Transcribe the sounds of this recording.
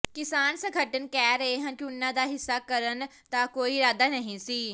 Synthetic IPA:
kɪsaːnsãɡʱɐʈənɪ̆kɛːɾeːɦənkunːãd̪aːɦɪsːakɐɾənɪ̆ | t̪akoːiɾaːd̪anɐɦĩsiː

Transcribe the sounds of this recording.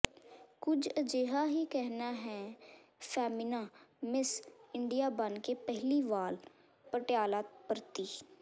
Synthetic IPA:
kʊd͡ʒəd͡ʒeɦaːɦiːkɛɦnaːɦɛːpʰɛːmɪnãːmɪsɪɳɖijaːbənkeːpɛɦliːʋaːl | pəʈjaːlaːt̪̚pəɾt̪iː

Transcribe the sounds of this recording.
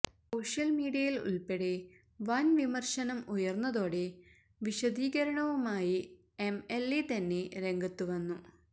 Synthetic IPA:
so̞ːʂjɐlmiːɽijɐjilṵlpeɽe̞ | ʋɐnʋimɐrʂɐnɐmujɐrnːɐðo̞ːɽe̞ | ʋiɕɐd̪iːɣɐɾɐɳɐʋumaːji | e̞melit̪ɐnːeɾe̞ŋɡɐt̪ːuʋɐnːu

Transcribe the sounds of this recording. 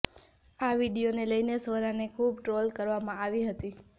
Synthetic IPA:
aʋiɖijoneləjnesʋəɾanekʰubʈɾolkəɾʋamãaʋiɦət̪i

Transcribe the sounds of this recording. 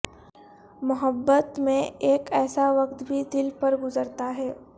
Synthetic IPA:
mʊɦəbːət̪mẽeːkɛːsaʋɐqt̪bʱid̪ɪlpɐɾɡʊzəɾt̪aɦɛː

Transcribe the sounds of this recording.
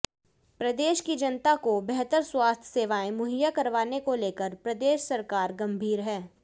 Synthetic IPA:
pɾɐd̪eːʃkid͡ʒɐnt̪akobɛɦt̪əɾswaːst̪ʰseːʋaːẽmʊɦijakɐɾʋaːnekoleːkəɾpɾɐd̪eːʃsɐɾkaːɾɡɐ̃mbʱiːɾɦɛː

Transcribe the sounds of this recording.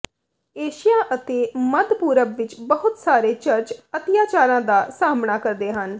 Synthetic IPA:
eːʃɪjaːʔət̪eːməd̪puːɾəbʋɪt͡ʃbəɦʊt̪saːɾeːt͡ʃəɾt͡ʃət̪ɪjaːt͡ʃaːɾãːd̪aːsaːmɳaːkəɾd̪eːɦən

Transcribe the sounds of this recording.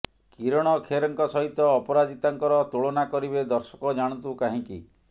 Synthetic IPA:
kiɾɔɽ̃ɔkʰeɾɔŋkɔsɔɦit̪ɔːpɔɾad͡ʒit̪aŋkɔɾɔt̪uɭɔnakɔɾibed̪ɔɾsɔ̥kɔd͡ʒaɽ̃ɔnt̪ukaɦĩki

